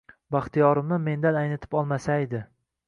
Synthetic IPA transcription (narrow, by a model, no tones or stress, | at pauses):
baχt̪ʰijɒɾɪmnɪme̞nd̪anajnɪt̪ʰɪ̥pɒlˠmasaed̪ɪ